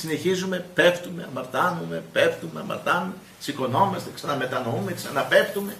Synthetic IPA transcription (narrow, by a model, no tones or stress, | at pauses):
sine̞çizume̞pe̞ft̪ume̞ɐmɐɾt̪ɐnume̞peft̪umeɐmɐ̰ɾt̪ɐnume | siko̞no̞mɐst̪e̞ksɐnɐme̞t̪ɐno̞umeksɐnɐpe̞ft̪ume̞